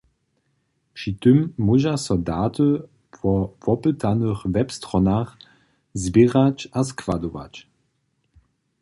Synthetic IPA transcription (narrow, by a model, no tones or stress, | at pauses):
pʂit̪əmːuʒasɔdaːtə | pʰwɔpɔpət̪ʰanəxvɛpst̪ʁɔnaχ | zbiʁat͡ɕaskv̥adɔva̰t͡ɕ